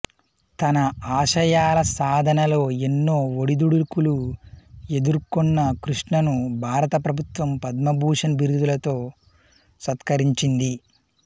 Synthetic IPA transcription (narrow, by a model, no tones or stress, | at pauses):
t̪ɐnɐaːʃɐjaːlɐsaːd̪ʱɐnɐlo̞ːe̞nːo̞ːoɽid̪uɽukulu | e̞d̪uɾkɔnːɐkɾuʂɳɐnubʱaːɾɐt̪ɐpɾɐbʱut̪ʋɐmpɐd̪mɐbʱuːʂɐnɐbiɾud̪ulɐt̪o̞ː | sɐt̪kʰɐɾiɲt͡ʃind̪i